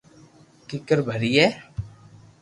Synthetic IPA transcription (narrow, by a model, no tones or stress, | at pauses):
kɪkəɾbʱəɾiːɛː